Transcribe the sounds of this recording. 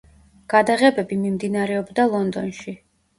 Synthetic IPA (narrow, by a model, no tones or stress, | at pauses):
ɡ̥ad̪aʁɛbɛbimimd̪inaɾɛɔbd̪alˠɔnd̪ɔnʃi